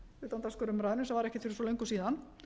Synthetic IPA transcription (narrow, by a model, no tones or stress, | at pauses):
ɪt̪ːant̪askœɾʏmɾaːjðɪnʏsɛmvaɾɛhcɪt̪fɪɾɪsɔlejŋkʏsiːðan